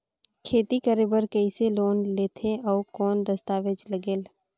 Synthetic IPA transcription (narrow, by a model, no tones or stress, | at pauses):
kʰeːt̪ikəɾeːbəɾkəiseloːnleːt̪ʰeʔɔːkɔːnd̪əst̪aːʋed͡ʒləɡeːl